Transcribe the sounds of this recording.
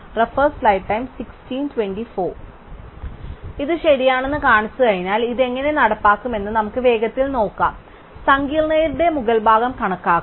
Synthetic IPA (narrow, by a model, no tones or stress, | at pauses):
refɐrsflɐjʈːɐjmsikstiːntwenɖifo̞ː | iðɨɕeɾijaːɳe̞nːɨkaːɳɐsːuɣɐɻinaːliðe̞ŋːɐne̞nɐɽɐpːaːkːume̞nːɨnɐmukːɨʋe̞ːɡɐt̪ːilno̞ːkːa̰ːm | sɐŋɡiːlnɐjiɾuɽe̞muɣɐlbʱaːɡɐmkɐɳɐkːaːkː